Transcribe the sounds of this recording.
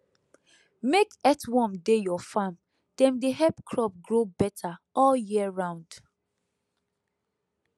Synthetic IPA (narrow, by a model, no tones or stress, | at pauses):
mekɛtwɔ̃mdejɔfãm | d̥ɛ̃mdeɦɛpkʰɹɔp̚ɡɹobɛtʰaɔljiɹãʊ̃nd̥